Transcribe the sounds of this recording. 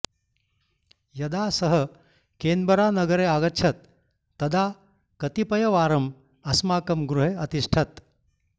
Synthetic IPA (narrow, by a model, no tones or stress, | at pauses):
jɐd̪aːsɐɦɐ | keːnd̪bɐɾaːnɐɡɐɾeaːɡɐtːt͡ʃʰɐt̪̚ː | ɐd̪aː | kɐt̪ipɐjɐʋaːɾɐm | ɐsmaːkɐmɡɾuɦeɐt̪iʂʈʰɐt̪